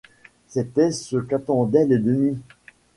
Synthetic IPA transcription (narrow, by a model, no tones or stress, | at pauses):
set̪ɛsəkat̪ɑ̃d̪ɛled̪əni